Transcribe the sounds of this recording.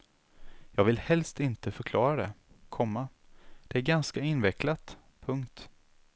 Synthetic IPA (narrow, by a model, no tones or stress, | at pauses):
jɑːɡvɪlhɛlst̪ɪnt̪əfœɾkʰlɑːɾad̪ɛ | kʰɔmːa | d̪̥ɛæɾɡanskaɪnvɛklat̪ | pʰɵŋkt̪